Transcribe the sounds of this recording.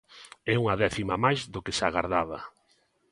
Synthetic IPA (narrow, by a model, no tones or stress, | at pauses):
ɛuŋɐðɛθimamajzðokɪsaɣa̰ɾðaðɐ